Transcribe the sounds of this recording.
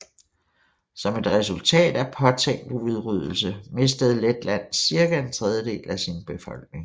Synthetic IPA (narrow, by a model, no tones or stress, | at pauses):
sɒ̽me̝d̥ʁɛs̬ult͡sʰɛ̰ːd̥æpʰɒ̽t͡sʰeŋ̰d̥uð̞ˠʁyð̞ˠl̩səme̝s̬d̥əð̩ˠled̥læn̰siɐɡ̥æe̝nt͡sʰʁɛð̞ˠjəde̝̰ːlæsinb̥e̝fɒ̽l̰ɡ̥ne̝ŋ